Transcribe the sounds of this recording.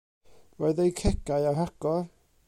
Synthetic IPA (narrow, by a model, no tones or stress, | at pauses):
voɨðejkʰɛɡajaɦaɡ̥ɔr